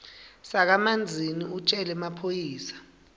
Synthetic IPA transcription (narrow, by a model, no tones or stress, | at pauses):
sak̬amand͡zʱiniut͡ʃʼɛlɛmapʰojiːsḁ